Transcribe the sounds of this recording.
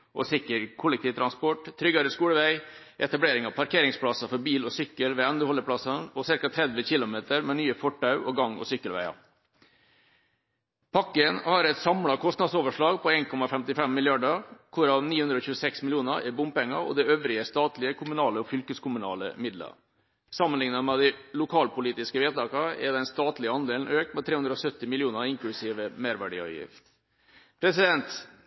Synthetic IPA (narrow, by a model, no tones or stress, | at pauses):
ʔɔ̰sɪkːəɾkʰʊlɛk̚t̪iːʋt̪ʰɾɑnspɔʈt̪ʰːɾʏɡɑɾəskuːɽəʋæɪ | ʔɛt̪ɑbleːɾɪŋɑʋpʰɑɾkʰeːɾɪŋspʰɽɑsɑfɔɾbiːlɔsʏkːəlʋɛɛnd̪əhɔlːəpʰɽɑsɑnɔsɪɾkɑt̪ʰɾɛd̪ʋəçɪlʊmeːt̪əɾmɛnyːəfɔʈːɑʉʔɔɡɑŋːɔ̰sʏkːəlʋæ̰ɪɑ̰ | pʰɑkːənhɑɾɛt̪sɑmɽɑkʰɔst̪nɑd̪soːʋəʂɭɑːɡpʰɔeːnkʰɔmɑfɛmt̪ɪfɛmːɪljɑɖəkʰʊɾɑʋniːʉnd̪ɾɔːçʉːəsɛksmɪljuːnəɾɛɾbʊmpɛŋːə̰ɔ̰d̪ɛøːʋɾɪəst̪ɑːt̪lɪəkʰʊmʉnɑːləɔfʏlkəskʰʊmʉnɑ̰ːlə̰mɪd̪lə̰ | sɑmːənlɪŋnəmɛd̪ɪlʊkʰɑːlpʊliːt̪ɪskəʋeːt̪ɑːkɑɛd̪ɛnst̪ɑːt̪lɪəɑnd̪eːln̩øːkt̪mɛt̪ʰɾeːʉnɾɔsœt̪ːɪmɪlɪuːnəɾɪŋklʉsiːʋəmeːɾʋæɖḭːɑ̰ːʋjɪ̰ft̪ | pʰɾɛsɪd̪ɛnt̪